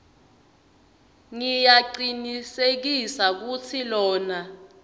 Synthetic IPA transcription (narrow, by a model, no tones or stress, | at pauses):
ŋijaǃinisek̬isak̬ut͡sʰilɔːna